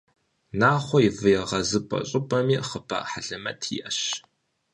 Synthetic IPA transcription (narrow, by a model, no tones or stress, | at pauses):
naːχʷɔjivɨjɛʁɐzɨpʼɐ̰ɕʼɪpʼɐmiːχəpʰa̰ħaɮɐmɐ̰tʰḭʔɐɕ